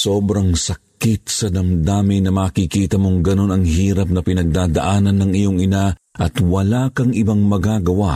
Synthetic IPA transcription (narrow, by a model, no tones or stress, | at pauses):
soːbɾɐŋsɐkɪt̪sɐd̪ɐmd̪aːmɪnɐmɐːkikiːt̪ɐmo̞ŋɡɐno̞nɐŋɦiːɾɐp̚nɐpɪnɐɡ̚d̪aːd̪ɐ̰ʔaːnɐnːɐŋɪjoŋɪnaʔɐt̪wɐlakɐŋʔɪbaŋmɐɡaːɡɐwa